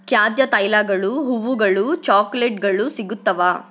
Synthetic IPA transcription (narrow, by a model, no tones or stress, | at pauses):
kjaːd̪jɐt̪ɐjlaːɡɐɭuɦuʋuɡɐɭut͡ʃaːkleʈɡɐɭusiɡut̪ːɐʋaː